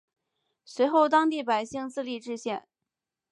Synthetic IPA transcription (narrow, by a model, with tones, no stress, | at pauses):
swe˧˥ɪxo˥˩ʊt̪ɑ˥ŋt̪i˥˩pa˨˩ɪɕi˥˧ŋt͡sɹ̩˥˧li˥˧ʈ͡ʂɻ̩˥˧ɕjɛ˥˩n